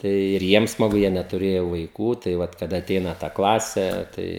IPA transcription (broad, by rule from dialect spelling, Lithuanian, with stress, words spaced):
ˈtɐɪ ɪr ˈjiɛm smɐˈɡʊ ˈjiɛ nʲɛtʊˈrʲeːjoː ʋɐɪˈkuː tɐɪ ˈʋɐt kɐˈdɐ ɐˈtʲɛɪnɐ tɐ ˈklˠɑːsʲeː ˈtɐɪ